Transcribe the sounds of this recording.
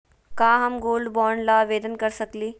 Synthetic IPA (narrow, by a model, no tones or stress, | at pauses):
kaːɦɐmɡoːlɖbɔːɾɳlaʋeːd̪ənkɐɾsɐkliː